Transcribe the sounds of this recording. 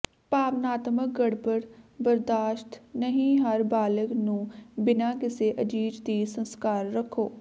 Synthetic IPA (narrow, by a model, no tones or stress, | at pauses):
paːʋnaːt̪mək̚ɡəɽbəɾbəɾd̪aːʃt̪nəɦĩːɦəɾbaːləknũːbɪnaːkɪseːʔəd͡ʒiːd͡ʒd̪iːsə̃nskaːɾːəkʰːoː